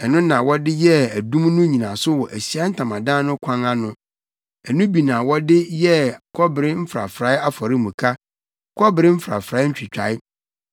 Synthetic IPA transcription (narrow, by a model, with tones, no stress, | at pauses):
ɛ˨nʊ̃˦nã˨wɔ˦dɪ˦jɛ˦æ˨dũ˦mnʊ̃˦ɲĩ˨nã˨sʊ˦wɔ˨ʔæ˨ɕi˦a˦n̩˦tʰã˨mã˨dãː˦nʊ̃˦kʷʰã˦ŋa˦nʊ̃˦ | ɛ˨nʊ̃˦bi˨nã˨wɔ˦dɪ˦jɛ˦kʰɔ˦bɪ˨ɾɪ˦m̩˦fɾa̰˨fɾa˨˦ɪ˦a˦fɔ˨ɾɪ˦mũ˨kʰa˦ | kʰɔ˦bɪ˨ɾɪ˦m̩˦fɾa̰˨fɾa˨˦ɲ̩˦t͡ɕᶣʰi˨t͡ɕᶣa˨ɪ˦